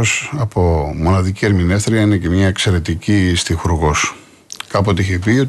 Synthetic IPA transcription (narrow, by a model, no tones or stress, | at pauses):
osɐpo̞mo̞nɐðicie̞ɾminefθɾiɐine̞cemɲɐe̞kse̞ɾe̞t̪icist̪ixuɾuɣo̞s | kɐpot̪iiçepiot̪